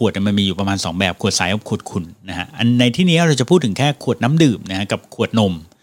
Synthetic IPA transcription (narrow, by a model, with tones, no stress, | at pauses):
u˨˩ət̪n˨˩ma˧nmiː˧juː˨˩pɾa˧maː˧nsɔː˩˦ŋbɛː˨˩p̚kʰu˨˩ət̪̚sa˨˦jɔ˩kʰu˨˩ət̪̚kʰu˧nːa˦˥kʰa˦˥ʔa˧nːa˧jt̪ʰiː˥˩niː˦˥ɾa˧wt͡ɕa˨˩pʰuː˥˩t̪ʰːɯ˩˦ŋkʰɛː˥˩kʰu˨˩ət̪̚naː˦˥mdɯː˨˩p̚na˦˥kʰa˦˥ka˨˩p̚kʰu˨˩ət̪̚no˧m